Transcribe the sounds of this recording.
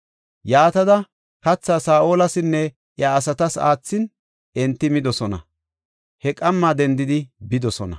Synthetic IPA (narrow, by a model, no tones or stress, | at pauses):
jaːt̪ɐd̪ɐ | kɐt͡sːasaːʔoːlɐsɪnːɛ | ʔjɐːsɐt̪ɐsa̰ːt͡sːɪn | ɛnt̪ːɪmɪd̪ɔsɔnɐ̰ | hɛkʼɐmːad̪ɛnd̪ɪd̪ɪbɪd̪ɔsɔnɐ̰